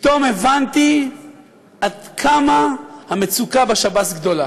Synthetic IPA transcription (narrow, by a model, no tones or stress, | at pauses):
pit̪o̞mevant̪i | ad̪kʰamahamet͡sukabeʃabatɡd̪o̞la